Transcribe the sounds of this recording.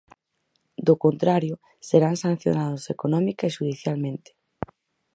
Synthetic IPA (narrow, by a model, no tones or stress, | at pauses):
d̪okont̪ɾaɾjʊ | seɾaŋsan̟θjo̰naðosekonɔmikaeʃuð̞iθjalmẽnt̪e̥